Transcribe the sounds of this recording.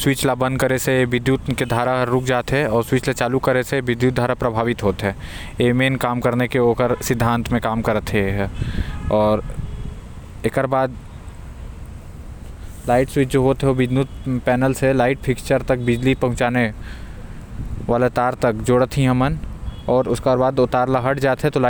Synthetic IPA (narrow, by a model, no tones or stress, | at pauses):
swit͡ʃlabə̃nd̪kəɾeseʋɪd̪jut̪ked̪ʱaːɾaɾʊk̚ʰd͡ʒaːt̪ɦɛɔːɾswiːt͡ʃlat͡ʃaːlukəɾeseʋɪd̪juːt̪̚d̪ʱaːɾapɾɐbʱaːʋɪt̪ɦoːt̪ɦɛː | emeːnkaːmkəɾnekeoːkəɾsɪd̪ʱːãːnt̪mẽkaːmkəɾət̪ʰɦeɦ | ɔːɾ | ekəɾbaːd̪ | laːɪʈswit͡ʃd͡ʒoːɦoːt̪ɦɛobɪd̪jut̪̚pɛːnəlselaːɪʈ̚pʰɪkt͡ʃəɾt̪ɐk̚bɪd͡ʒlipɐ̃ɦʊ̃t͡ʃaːne | ʋaːlet̪aːɾt̪ɐk̚d͡ʒoːɽət̪ʰɦĩɦɐmənɔːɾʊskabaːd̪ʊt̪aːɾlaɦɐʈd͡ʒaːt̪ɦɛ̃t̪ola